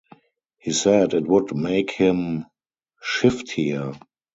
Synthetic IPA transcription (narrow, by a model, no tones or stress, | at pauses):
hiːsɛdɪtwʊdmeɪkhɪ̃m | ʃɪfthiə